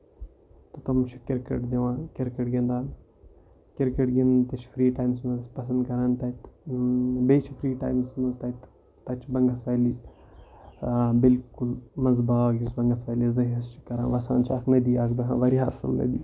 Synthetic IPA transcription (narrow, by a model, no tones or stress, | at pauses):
t̪ot̪ɐmt͡ʃʰi̥kɪɾkeʈd̪iʋãːkɪɾkeʈɡẽnd̪aːn | kɪɾkeʈɡent̪ɐt͡ʃʰfɾiːʈaːjmsmɐzpɐsɐ̃nd̪kɐɾaːnt̪ɐt̪ | beːt͡ʃʰifɾiːʈaːjmsmɐzt̪ɐt̪ | t̪ɐt͡ʃʰbɐŋɡɐsʋaːjliː | bɪlkulmɐzbaːɡisbɐŋɡɐsʋaːlizɐ̃ɦɐst͡ʃʰi̥kɐɾã̰ːnʋɐsaːnt͡ʃʰaknɐd̪iːaːkd̪ɐɦãːʋɐɾiɦaːsɐ̰lnɐ̰d̪iː